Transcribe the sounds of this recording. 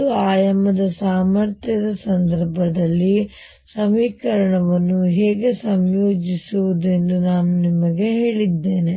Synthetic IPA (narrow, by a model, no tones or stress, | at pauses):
uaːjɐmɐd̪ɐsaːmɐɾt̪ʰjɐd̪ɐsɐnd̪ɐɾbʱɐd̪ɐlːi | sɐmiːkɐɾɐɳɐʋɐnːuɦeːɡe̞sɐmjo̞ːd͡ʒisuʋud̪e̞ndunaːnunimɐɡe̞ɦe̞ːɭid̪ːe̞ːne